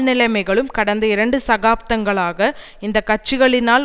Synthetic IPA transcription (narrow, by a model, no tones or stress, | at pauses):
nɪlɐɪmɐɪɣɐɭɯmkɐɽɐnd̪ɐɪɾɐɳɖɯsɐɣaːp̚t̪ɐŋɡɐɭaːɣɐ | ɪnd̪ɐkːɐʈ̚t͡ʃːɪɣɐɭɪnaːl